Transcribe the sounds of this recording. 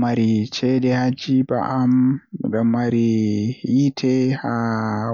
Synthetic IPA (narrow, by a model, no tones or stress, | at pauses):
maɾit͡ʃɛdɛhad͡ʒiba̰ʔamɗɔmːaɾi | itʰɛha